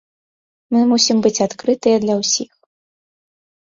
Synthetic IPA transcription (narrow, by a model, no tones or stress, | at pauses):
mɨmusʲimbɨt͡sʲat̪kɾɨt̪ɨjɐd̪lʲɐwsʲix